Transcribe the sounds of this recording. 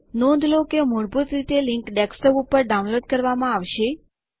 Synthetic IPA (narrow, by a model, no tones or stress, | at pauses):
nɔ̃nd̪ʱlokemɔɾbʱut̪ɾit̪elɪ̃ŋkɖɛksʈobupəɾɖaunloɖkəɾʋamãaʋʃe